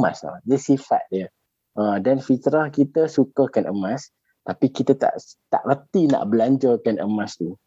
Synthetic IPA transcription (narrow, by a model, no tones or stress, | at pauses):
ma̰sa̰dəsifa̰t̪̚djə | ʔadanfit̪ɾahkit̪əsukəkanʔəmãs | t̪apikit̪at̪a̰ʔt̪aʔrət̪ina̰ʔbəlaɲd͡ʒəkanəmãst̪u